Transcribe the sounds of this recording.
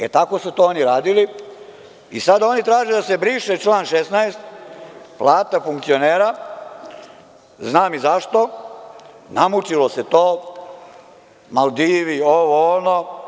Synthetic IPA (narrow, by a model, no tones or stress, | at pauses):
et̪ako̞sut̪ooniɾaːd̪ili | isad̪o̞nit̪ɾaːʒed̪ase̞bɾiːʃet͡ʃlˠaːnʃesnaest̪plˠaːt̪afuŋk̚t̪sio̞neːɾa | znaːmizaʃt̪o̞ | namut͡ʃilo̞se̞t̪oː | mald̪iːʋioʋoonoː